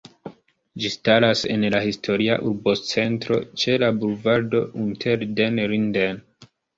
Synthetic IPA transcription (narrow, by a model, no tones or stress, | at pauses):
d͡ʒistalase̞̰nlahistʰo̞ɾia̰ʔuɾbo̞t͡se̞ntɾo̞t͡ʃe̞labuɾvaɾdo̞ʔintʰeɾdenɾinden